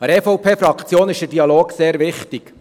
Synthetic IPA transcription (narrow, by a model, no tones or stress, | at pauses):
ɑɾɛfɔwpʰeːfɾɑkχt͡sjoːnɪʃdədiɑloːɡseːɾʋɪχtik